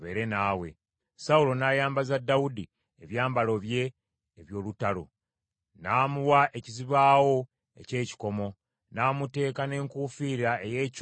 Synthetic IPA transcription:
βe̞̰ːɾe̞naːwe̞̰ | saulo̞naːjaːmbazadːawudi | eβjaːmbalo̞βje̞ː | βjo̞ːlutalo̰ | naːmuwaʔeciziβaːwo̞ | e̞̰ce̞ːci̥ko̞mo̞ | naːmute̞ːkane̞ːŋkufiːɾɾae̞jeːc

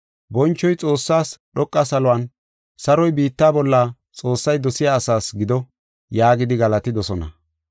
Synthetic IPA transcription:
bɔnt͡ʃːɔjt͡sʼo̞ːsːaːsɗɔkʼːɐsɐlɔwɐn | sɐɾɔjbiːt̪ːaːbɔlːɐ | t͡sʼo̞ːsːɐjd̪ɔsɪjaːsaːsɡɪd̪ɔ | jaːɡɪd̪ɪɡɐlɐt̪ɪd̪ɔsɔnɐ̰

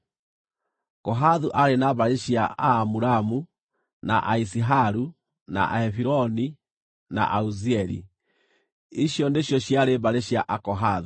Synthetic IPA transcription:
kɔɦaðuʔaɾenaβaɾeɕjaaːmuɾamu | na̰ʔaisiɦaɾu | na̰ʔa̰ɛfiɾɔni | na̰ʔauziɛɾḭ | iɕjɔndeɕjɔɕjaɾeβaɾeɕjaʔakɔɦaðu

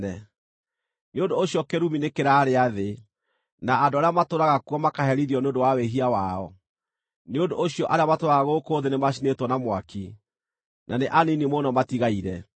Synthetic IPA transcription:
ɛ | neondoːɕiɔkeɾuminekeɾaːɾeaðe | naːdoaɾeamatoɾaɣakuwɔmakaɦɛɾiðiɔneondowaweɦiawaɔ | neondooɕijɔʔaɾeamatoɾaɣaɣokoːðenemaʃ̬inetwɔnamwaki | nʔaneʔaninimonɔmatiɣaiɾɛ

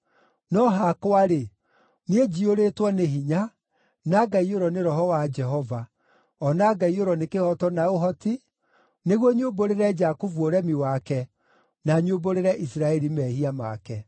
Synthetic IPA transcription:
nɔɦakoaɾe | nied͡ʒioɾetwɔneɦiɲa | naɡaioɾɔneɾɔɦɔwad͡ʒɛɦɔva | ɔnaɡaioɾɔnekehɔtɔnaoɦɔti | neɣwɔɲomboɾeɾɛd͡ʒakovuoɾɛmiwakɛ | naɲoboɾeɾɛʔisɾaɛɾimɛhiama̰kɛ

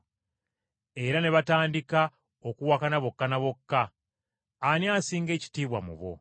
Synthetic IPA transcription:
e̞ɾane̞βataːndika | okuwakanaβo̞kːanaβo̞kːaː | njaːsiːŋɡe̞ːci̥tiːβwa̰mṵβo̞̰

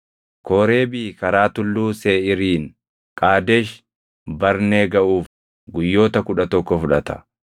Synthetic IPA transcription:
koːɾe̞ːbɪkɐɾaːt̪ʊlːuːseːɪɾiːn | kʼaːd̪ɛʃ | bɐɾneːɡɐʔuːf | ɡʊjːo̞ːt̪ɐkʊᶑɐt̪ɔkːɔfʊᶑɐt̪ɐ̥

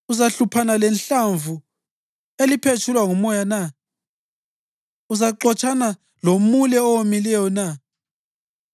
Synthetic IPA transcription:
uzaɬupʰanalɛnɬaɱvu | elipʰet͡ʃʰulwaŋumɔjana | uzaǃɔt͡ʃʰʼana | lomulɛɔwomilɛjɔna

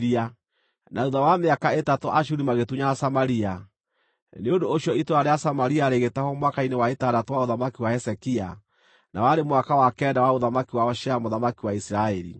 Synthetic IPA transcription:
ɾia | nʔauðawameakaetatoʔaʃuɾimaɣetuɲasamaɾia | neondoːʃiɔitwaɾeasamaɾiaɾeɣetahɔmwakainewaetadatowaoðamakiwaɛsɛkia | na̰waɾemwakawakɛːndawaoðamakiwaɔʃɛamoðamakiwaisiɾaɛɾḭ

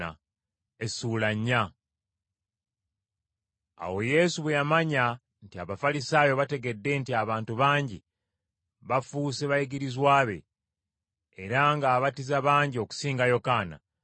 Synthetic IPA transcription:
a̰ | e̞sulaɲːa | a̰wo̞je̞ːsuβejamaɲa | ntiaβafalisaːjo̞βate̞ɡe̞dːe̞ntiaβaːntuβaːɲɟi | βafuːseβajiɡiɾizwaːβe̞̰ | eɾaŋɡaːβatizaβaːɲɟio̞ku̥siːŋɡajo̞kaːna̰

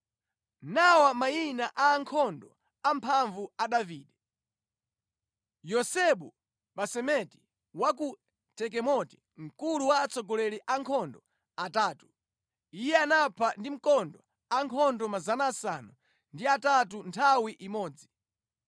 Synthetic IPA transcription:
nawamainaʔaːŋkʰɔndɔ | ampʰaɱvuaɗaviːɗɛ | jɔsɛɓu | ɓasɛmɛti̥ | waku | tʰɛk̬ɛmɔti̥ | m̩kuluwaːt͡sɔɡɔlɛɾiʔaŋkʰɔndɔ | ataːtu̥ | ijɛanapʰandim̩kɔndɔ | aŋkʰɔndɔmazanaːsanu | ndiatatuntʰawiʔimɔːd͡zi

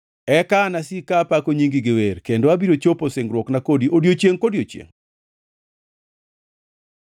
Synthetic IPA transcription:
ɛkanasikapakoɲiŋɡɪɡɪweɾkendoabiɾot͡ʃoposeŋɡɾwɔknakodiʔodjot͡ʃjeŋkodiot͡ʃjḛŋ

